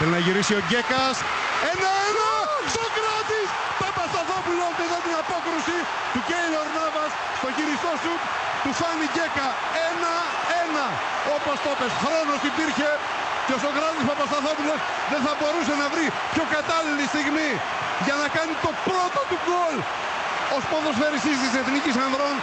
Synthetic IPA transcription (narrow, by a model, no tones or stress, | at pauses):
θelinɐʝiɾisio̞ɟe̞kɐs | enenosokɾɐt̪is | pɐpɐsθɐθopulozðeðɐt̪inɐpo̞kɾusi | t̪uceiloɾnɐvɐs | st̪o̞çiɾist̪osuk̪ | t̪ufɐniʝe̞kɐ | enɐ | enɐ | opɐst̪opesxɾonosipiɾçeɾ | kos̬okɾat̪ispapɐst̪aθapulos | ðeθɐboɾus̬ɐnɐvɾi | pçokat̪alilist̪iɣmi | ʝɐnɐkanit̪opɾot̪ot̪uɣol | ospoðosfeɾisisiseθnikisɐnd̪ɾon